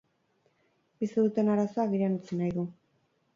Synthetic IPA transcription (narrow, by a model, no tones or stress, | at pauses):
biseðut̪e̞naɾasoaːɣiɾanut͡senajðu